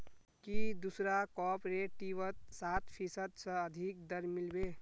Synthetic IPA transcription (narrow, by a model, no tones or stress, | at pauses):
kid̪usɾakɔpɾeʈiʋət̪̚sat̪pʰisəd̪sə̃əd̪ʱik̚d̪əɾmilbe